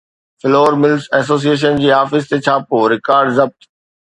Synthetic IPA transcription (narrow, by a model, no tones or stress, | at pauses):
fɪloːəɾmɪlsɛːs̬oːs̬ieːʃ̬ənd͡ʑiːaːfɪst̪et͡ɕʰaːpoːɾɪkaːɾɖzɐb̚t̪